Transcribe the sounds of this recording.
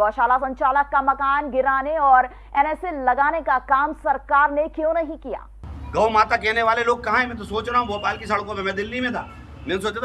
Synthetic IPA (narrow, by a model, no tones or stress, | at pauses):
ɔːʃaːlasɐ̃ɲt͡ʃaːləkːamɐkaːnɡɪɾaːneɔːɾ | ɛːnɛːselɐɡaːnekakaːmsɐɾkaːɾnekjõːnɐɦĩkija̰ːɡɐwmaːt̪ak̬ɛːneʋaːleloːɡ̚kɐɦãɦɛ̃mɛ̃ːt̪̬osoːt͡ʃɾaːɦũboːpaːlkisɐɽkõbemɛ̃d̪ɪlːimẽt̪ʰaː | mẽnsoːt͡ʃt̪ʰ